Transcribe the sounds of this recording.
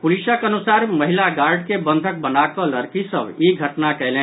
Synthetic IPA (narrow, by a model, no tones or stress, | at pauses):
puliʃəkənusaɾməɦilaɡaɾɖkebənd̪ʱək̚bənakɔləɾkisəbiɡʱəʈnakɛɦlẽ